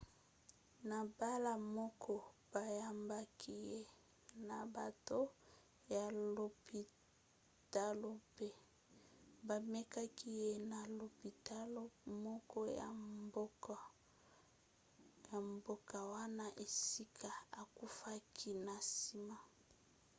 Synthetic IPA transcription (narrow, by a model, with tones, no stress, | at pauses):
na˨ba˦la˦mɔ˦kʰɔ˦b̥a˨ja˦mba˦kʰi˦je˦ | na˨ba˨to˦ | ja˨lo˨pi˨ | ta˦lo˦pe˦ | ba˨me˦ka˦ki˦je˦na˨lo˨pi˨ta˦lo˦mɔ˦kɔ˦ja̰˨˦ | ja˨mbo˨ka˨wa˦na˦ʔe˨si˦kʰa˨a˨ku˦fa˦kʰi˦na˨si˦ma˦